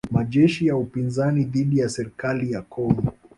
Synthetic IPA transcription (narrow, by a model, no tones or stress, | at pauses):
maʄɛʃijaupinzaniðiɗijasɛɾikalijakʰɔŋɡɔ